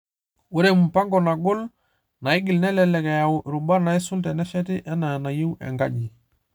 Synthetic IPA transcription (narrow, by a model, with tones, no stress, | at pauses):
wu˦ɾe˨mu˨pa˦ŋɡɔ˨na˨ɡʊ˦l | na˨ɪ˦ɡi˨lnɛ˦lɛ˦lɛ˨kɛ˨ja˨wʔɾu˨ba˦na˨i˦su˦ltɛ˨nɛ˦ʃɛ˦ti˦ʔɛ˦na˨na˨ji˦wɛ̰˨ŋɡa˦ɟi˨